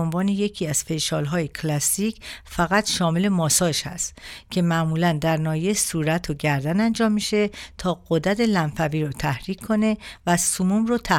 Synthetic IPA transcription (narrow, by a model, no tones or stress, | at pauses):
onvɒːneje̞cʰiːæz̥fe̞jʃɒːlɦɒːjekʰlæsːiːcʰfæɣæt̪ʃɒːme̞le̞mɒːsɒːʃhæ̰st̪cʲʰe̞mæʔmuːlænd̪æɾnɒːjesuːɾæt̪ʰoɟæɾd̪ænænd͡ʒɒːmːiʃe̞t̪ʰɒːɢ̥od̪æt̪ʰe̞lænfæviːɾɔt̪ʰæhɾiːcʰkʰːo̞ne̞væsumumrot̪ʰæ